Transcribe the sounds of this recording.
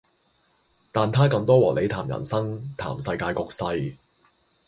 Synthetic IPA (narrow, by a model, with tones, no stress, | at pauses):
t̪aː˨nt̪ʰaː˥kɐ˧ŋt̪ɔː˥wɔː˨˩le˨˧jt̪ʰaː˨˩mjɐ̰˨˩nsɐ˥ŋt̪ʰa̰ː˨˩msɐ˧jkaː˧jkɔː˧k̚sɐ˧j